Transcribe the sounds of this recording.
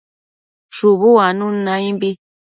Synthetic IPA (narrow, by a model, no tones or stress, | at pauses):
ʃuβuanũnãĩmbi